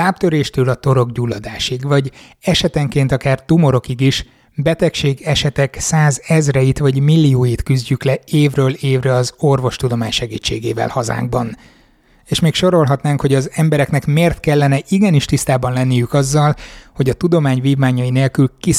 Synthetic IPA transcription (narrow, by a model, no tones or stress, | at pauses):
aːp̚t̪øɾeːʃt̪øːlɒt̪o̞ɾo̞ɡɟulːɒd̪aːʃiɡvɒɟ | ɛʃɛt̪ɛŋkeːnt̪ɒkaːrt̪umo̞ɾo̞kiɡiʃ | bɛt̪ɛkʃeːɡɛʃɛt̪ɛksaːzɛzrɛjit̪ʋɒɟmilːioːjit̪kyzɟyklɛeːvrøːleːvrɛɒzo̞rvo̞ʃt̪ud̪o̞maːɲʃɛɡḭːt͡ʃːḛːɡeːvɛ̰lhɒza̰ːŋɡ̚bɒn | eːʃmeːkʃo̞ɾo̞lɦɒt̪naːŋkho̞ɟɒzɛmbɛɾɛknɛkmeːrt̪kɛlːɛnɛʔiɡɛniʃt̪ist̪aːbɒnlɛnːijykɒzːɒlho̞ɟɒt̪ud̪o̞maːɲviːvmaːɲɒjineːlkylki